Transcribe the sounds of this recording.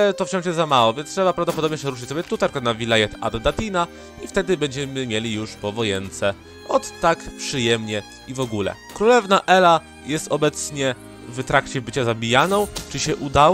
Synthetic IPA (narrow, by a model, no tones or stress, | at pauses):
t̪ɔft͡ɕɔ̃w̃ʂjɛzːamawɔvʲjɛnst̪ʂɛbapɾavd̪ɔpɔd̪ɔbɲɛʂɛɾuʂ̬ɘ̥t͡ɕsɔbʲjɛt̪ut̪ɛɾkɔnavʲilajɛt̪a̰d̪ːat̪ina | ift̪ɛd̪ɘbɛɲd͡ʑɛmɘmʲjelʲijuʂpɔvɔjɛnt̪sɛ | ɔt̪ːakpʂɘjɛmɲɛ | ivɔɡulɛ̰ | kɾulɛvnaʔɛla | jɛst̪ɔbɛt̪sɲɛ | vt̪ɾakt͡ɕɛbɘt͡ɕazabʲijanɔ̃w̃t͡ʂɘɕɛʔud̪aw